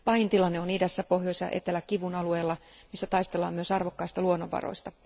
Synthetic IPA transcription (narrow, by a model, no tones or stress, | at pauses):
pɑjnt̪ilɑnːeoniːdæsːæpo̞ɦjoisjɑ̰ʔḛt̪elːækːiʋunɑlue̞ːlːɑmisːæt̪ɑist̪e̞lːɑ̰ːmyøsɑrʋokːɑist̪ɑluonːo̞ʋːɑ̰ro̰ist̪ɑ